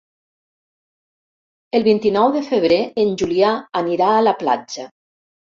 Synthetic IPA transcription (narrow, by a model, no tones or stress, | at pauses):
əlˠβint̪inɔwðəfəβ̞ɾeənʲʒuliaːniɾaːləpla̰d͡ʒə